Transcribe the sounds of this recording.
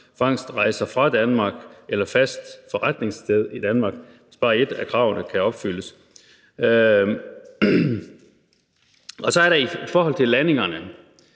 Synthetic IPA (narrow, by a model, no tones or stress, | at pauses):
fɑ̈ŋ̰sd̥ʁɑ̈ɪsɐfʁɑ̈d̥ænmɑ̈ːɡ̥ʔelɐfæsd̥fɒ̽ʁad̥ne̝ŋsdʰeð̞ˠid̥ænmɑ̈ːɡ̥ʋesb̥ɑ̈ːe̝d̥ækʰʁɑ̈ːʊnəkʰæɒ̽b̥fyl̰əs | ɒ̽sɒ̽æɐɾɑifɒːɒ̽l̰t͡sʰe̝lːæne̝ŋɐnə